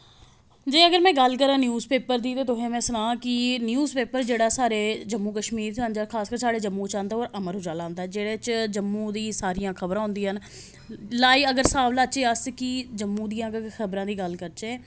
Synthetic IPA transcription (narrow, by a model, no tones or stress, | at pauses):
d͡ʒeːəɡəɾmɛ̃ːɡəlkəɾãːnjuːzpeːpəɾd̪iːt̪eːt̪ʊɦẽːmɛ̃ːsənãːkɪnjuːzpeːpəɾd͡ʒeːɽaːsaːɾeːd͡ʒəmːuːkəʃmiːɾt̪and͡ʒaːkʰaːskəːɾsaːɽeːd͡ʒəmːũːt͡ʃãːnd̪aːoːɾəməɾɦʊd͡ʒaːlãːnd̪aːɛːd͡ʒeːɽeːt͡ʃd͡ʒəmːũːd̪iːsaːɾijãːkʰəbɾãːɦʊ̃nd̪ĩːɦən | laːiːəɡəɾsaːʋlaːt͡ʃeːaskid͡ʒəmːũːd̪ijãːkxʰəbɾãːd̪iːɡəlkəɾt͡ʃeː